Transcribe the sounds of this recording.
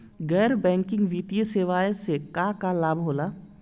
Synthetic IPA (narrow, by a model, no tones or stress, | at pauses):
ɡɛːɾbɛ̃ːŋkɪ̃ŋɡʋit̪ijəseːʋaːjesekaːkalaːbʱɦoːlaː